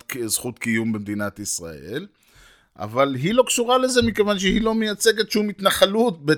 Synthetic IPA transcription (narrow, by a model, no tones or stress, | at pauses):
kzχut̪kijumbemd̪inat̪isʁa̰ʔel | ʔa̰valɦilo̞kʃuʁale̞ze̞mikevanʃ̬ehilo̞mejat͡se̞ɡet̪ʃumit̪naχalut̪̚be